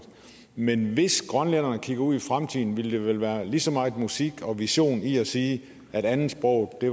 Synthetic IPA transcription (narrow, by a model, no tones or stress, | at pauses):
menʋe̝sɡ̥ʁɶnlenɐnəkʰiɡ̥ɐuð̰ˠifʁamt͡sʰið̰ˠn̩ʋiləd̥e̝ʋelʋæːɐlisɒ̽mɑ̈ɪmusiɡ̥ɒ̽ʋiɕo̝̰ːniæsiː | ʔæɾ̥ænn̩sb̥ʁɒʊ̰d̥e̝